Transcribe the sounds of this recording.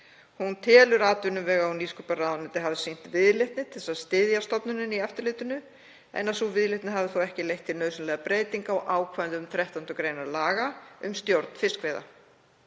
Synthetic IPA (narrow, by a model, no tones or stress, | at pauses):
hunt̪ʰɛːlʏɾaːt̪ʏnʏmvɛːɣawniskʏparaðnɪt̪ɪɦavðɪsijn̥t̪vɪðlɪht̪nɪt̪ʰɪ̥lsaðst̪ɪðjast̪ɔpnʏnɪniɛft̪ʏɾlɪːt̪ʏnʏ | ɛ̰nːasuvɪðlɪht̪nɪɦavɪθuwɛhcɪlejht̪ʰːɪlnœɥsʏnlɛːɣðapɾeːjt̪iŋkawʔaːwkʰvant̪ʏʏmθɾɛht̪an̥t̪ɔkɾeːjnaɾlaːɣaʏ̰mst̪jowɾt̪n̥fɪskveːjða̰